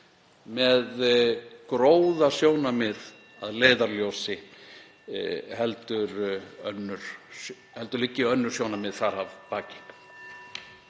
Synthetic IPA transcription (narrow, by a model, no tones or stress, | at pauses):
mɛðkɾoːwðasjoːwnamɪð | aðleːjðaɾljowsɪ | hɛlt̪ʏɾœ̰nːʏɾ̥ | hɛlt̪ʏɾlɪcːɪœnːʏɾ̥sjownamɪðθaɾavpaːcɪ̥